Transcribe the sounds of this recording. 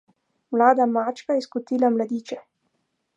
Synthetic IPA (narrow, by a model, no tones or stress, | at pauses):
mlaːd̪amaːt͡ʃkajɛskut̪iːlamlad̪iːt͡ʃɛ